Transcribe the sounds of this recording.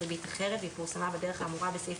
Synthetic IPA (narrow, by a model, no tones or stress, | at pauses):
bitaχeʁetipuʁsamabedeʁeχaːmuʁabesef